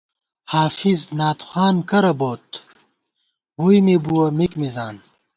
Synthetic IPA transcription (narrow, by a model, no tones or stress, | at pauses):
haːfiznaːt̪xaːnkɐɾɐboːt̪ | hujmebuwɐmikmizaːn